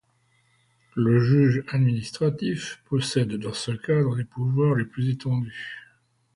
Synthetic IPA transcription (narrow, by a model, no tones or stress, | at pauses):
ləʒyʒad̪minist̪χat̪ifpɔsɛd̪ːɑ̃səkad̪ʁəlepuvwaʁleplyzet̪ɑ̃d̪y